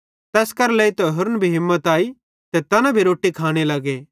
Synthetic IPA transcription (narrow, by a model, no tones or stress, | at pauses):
t̪ɛːskɐɾleːit̪ɐɦʊɾnbʱiɦɪ̃mːət̪aːi | t̪et̪ɐnãbʱiɾoːʈːikʰaːɽ̃elɐɡeː